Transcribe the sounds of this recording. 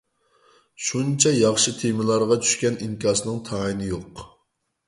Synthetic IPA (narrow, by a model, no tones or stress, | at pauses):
ʃunt͡ʃʰɛjɑχʃɨt̪ʰemɪlˠɑɾʁɑt͡ʃʰy̥ʃkʲɛniŋkʲʰɑːsɨnɨŋt̪ʰɑinɪjoq